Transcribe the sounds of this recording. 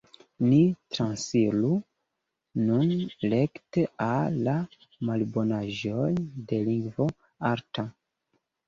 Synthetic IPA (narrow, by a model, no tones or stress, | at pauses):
nitɾansiɾu | nunle̞kteaːa | malbo̞naʒojde̞liŋɡvo̞ | aɾta